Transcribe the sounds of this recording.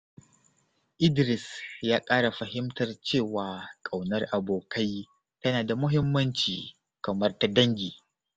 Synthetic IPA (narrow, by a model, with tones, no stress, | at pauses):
ʔɪ˦dɾɪ˨sjaː˦kʼaː˦ɽa˨ɸɐ˨hɪ˦mtɐ˨rt͡ʃeː˦˨waː˨kʼa˨wnɐ˦rʔa˨boː˨kʰa˦j | tɐ˦naː˨da˨mʊ˦ɦɪ˦mːɐ˦nt͡ʃiː˨ | kɐ˨mɐ˦rta˦dɐ˦ŋɡʲiː˨